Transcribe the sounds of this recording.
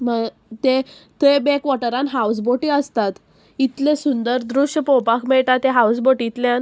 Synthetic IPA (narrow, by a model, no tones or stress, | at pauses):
məɡ | t̪et̪ebekʋɔʈəɾanɦaws̬boʈiəst̪at̪ | it̪lesund̪əɾd̪ɾuʂəpɔpakʰmɛɭʈat̪eɦawsboʈiːt̪ljan